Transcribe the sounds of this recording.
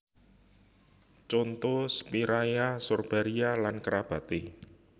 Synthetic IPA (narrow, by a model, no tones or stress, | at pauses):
t͡ʃont̪ospiɾajasorb̥aɾialankəɾab̥a̤t̪e